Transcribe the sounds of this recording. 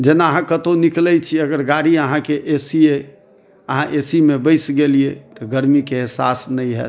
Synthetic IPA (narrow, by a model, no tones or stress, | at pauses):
d͡ʒenaəɦãkət̪oniklɛjt͡ʃʰiəɡəɾɡaɾiəɦãkeʔesie | əɦãʔesimebəɪsɡeliet̪ɔɡəɾmikeːɦsasnəjɦɛ̰